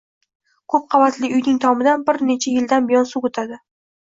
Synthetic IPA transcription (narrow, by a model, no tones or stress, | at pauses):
kʰɵp̚qʰɑvat̪ʰlɪʊjnɪŋt̪ʰɒmɪd̪anbɪɾne̞t͡ʃʰajɪld̪anbijɒnsuʊt̪ʰad̪ɪ